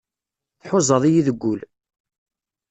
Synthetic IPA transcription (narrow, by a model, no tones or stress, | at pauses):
θħʊzˤəðˤijiðəɡʷːʊl